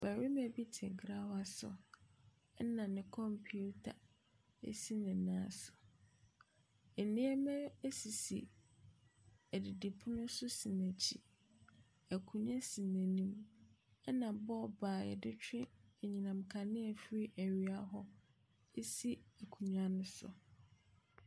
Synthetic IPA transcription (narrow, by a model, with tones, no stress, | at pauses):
b̥æ˨ɾi˦mɛ̃˨˦bi˦tʰɛ̰̃˨ɡɾa˦wa˨sʊ̰˨ | ɛ˦nã˨nɪ̃˨kʰɔ̃˦mpʰi˦u˦tʰa̰˨ | ḛ˦si˦nɪ̃˨nãː˨˦sʊ̥˨ | e˨nĩ˦ɛ˦mɛ̃˦e˦si˨sḭ˨ | æ˨dɪ˨di˨pʰʊ̃˦nʊ̃˦sʊ˦sĩ˨næ̃˨t͡ɕʰḭ˨ | æ˨kʰũ˨ɲ˦ã˦sĩ˨næ̃˨nĩ˦m | ɛ˦nã˨bɔ˦˨baː˨ɛ̰˨dɪ˦t͡ɕʰᶣɪ̃˦ɛ˨ɲĩ˨nã˨m˨kʰa˨nɪ̃˦ɛ˨fɾi˦ʔe˨ɥi˦a˦ɦɔ˦ | e˦si˦æ˨kʰu˨ɲã˦nʊ̃˦sʊ̰˨